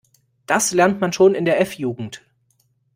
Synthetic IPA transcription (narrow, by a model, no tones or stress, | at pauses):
d̥aslɛɐntmanʃoːnɪndeːɐʔɛfjuːɡŋ̩t